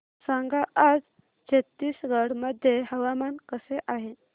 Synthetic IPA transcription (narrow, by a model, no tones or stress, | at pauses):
sãŋɡaʔad͡z | t͡ɕʰet̪ːiːsɡəɽməd̪ʱjeɦəʋamankəseʔaɦe